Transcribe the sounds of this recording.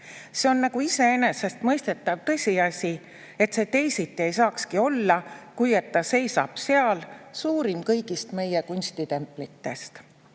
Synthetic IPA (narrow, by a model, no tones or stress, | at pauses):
se̞o̞nːɑkuise̞ene̞se̞st̪mɤjst̪e̞t̪ːˑɑv̥t̪ɤ̞sʲiɑsʲi | e̞t̪se̞ːt̪e̞jsit̪ːˑie̞jsɑːkskio̞lːɑkuje̞t̪ːɑse̞jsɑ̰b̥se̞ɑlsuːɾimkɤjɡist̪me̞jekunʲst̪it̪e̞mpˑlit̪ːe̞st̪